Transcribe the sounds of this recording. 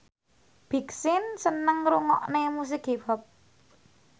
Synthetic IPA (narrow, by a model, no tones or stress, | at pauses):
b̥i̤ksɪnsənəŋɾuŋɔʔnemus̬ɪkebap̚